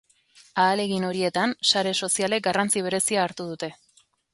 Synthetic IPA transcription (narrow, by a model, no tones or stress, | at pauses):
aːle̞ɣino̞ɾie̞t̪ansaɾe̞so̞siale̞k̚ɡarant͡siβ̞e̞ɾe̞siaːɾt̪uð̞ut̪e̞